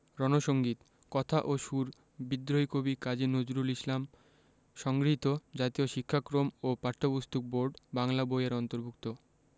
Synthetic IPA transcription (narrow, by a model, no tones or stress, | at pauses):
ɾɔnoʃoŋɡit̪ | kɔt̪ʰaʔoʃuɾ | bid̪ɾojkobikad͡ʑinod͡ʑuɾuliʃlam | ʃɔŋɡɾiit̪od͡ʑat̪ioʃikʰːakɾomopaʈʰːobost̪ʰok̚boɾɖbaŋlabojaɾɔnt̪oɾbʱuk̚t̪o